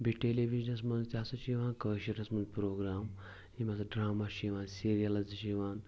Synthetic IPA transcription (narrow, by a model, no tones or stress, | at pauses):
biʈeleʋiʒnes̬mɐnzt̪ʲaːsɐʃiʋãːnkəːʃiɾɐsmɐnzpɾoːɡɾaːm | ɦimasɐɖɾaːmaʃiʋaːnsiɾijalɐzɐʃiʋaːn